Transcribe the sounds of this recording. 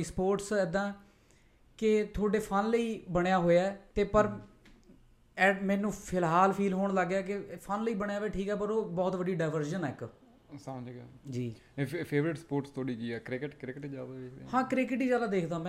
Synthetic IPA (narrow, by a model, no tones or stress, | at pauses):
iːspoːʈsɛːd̪ãː | kɪt̪ʰoːɖeːpʰənləiːbəɳ̃jaːɦoːjaɛːt̪eːpəɾ | ɛːmɛ̃ːnũːpʰɪlɦaːlpʰiːlɦoːɳləɡaːkɪpʰənləiːbəɳjaːʋeːʈʰiːkɛːpəɾoːbɔːt̪ʋəɖiːɖaːʋəɾʒənɛːɪk | səmd͡ʒɡaːd͡ʒiː | pʰeːʋɾɪʈspoːɾʈst̪ʰoːɽiːd͡ʒiːɛːkɾɪkəʈkɾɪkʈːd͡ʒaːd̪aːed̪ehãːkɾɪkəʈiːd͡ʒaːd̪aːd̪eːkʰd̪ãːmɛ̃